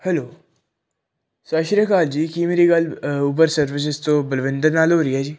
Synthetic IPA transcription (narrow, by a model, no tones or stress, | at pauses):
hɛloː | sɐʃɾəkaːld͡ʒiːkimeːɾiɡɐlup̬əɾsɐɾʋɪs̬ɪst̪obəlʋɪ̃nd̪əɾnaːloːɾiɦɛːd͡ʒiː